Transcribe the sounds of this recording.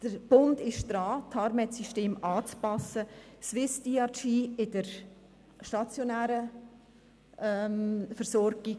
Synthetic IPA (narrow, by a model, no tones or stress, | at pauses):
d̥əɾb̥ʊndɪʃd̥ɾaːtʰɑɾmɛtsyʃteːmɑːt͡spɑsəsʋɪsdiɑt͡ʃiːɪd̥əɾ | ʃtɑt͡sjonæːɾə | ʔɛmfəɾsɔɾɡ̥i